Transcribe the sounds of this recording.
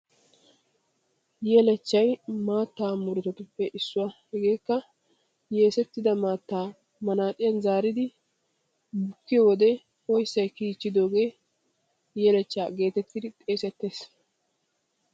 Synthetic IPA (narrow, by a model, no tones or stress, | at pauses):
jeːlɛt͡ʃːɐjmaːt̪ːaːmʊɾɛt̪ɛt̪ʊpːɛʔɪsːʊwaːhɛɡe̞ːkːɐ | je̞ːsɛt̪ːɪd̪ɐmaːt̪ːaː | mɐnaːt̪ʼɪjɐnzaːɾɪd̪ɪ | bʊkːɪjwɔd̪ɛ | ɔjsːɐjkiːt͡ʃːɪd̪o̞ːɡe̞ː | jeːlɛt͡ʃːaːɡe̞ːt̪ɛt̪ːɪd̪ɪt̪ʼe̞ːsɛt̪ːe̞ːs